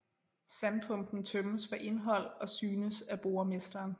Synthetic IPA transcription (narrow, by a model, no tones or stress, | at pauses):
sænpʰɔ̽ŋd̥n̩t͡sʰœməsʋæ̈ʔe̝nɦɒ̽l̰ɒ̽syːnəsæb̥o̝ɐme̝sd̥ɐːn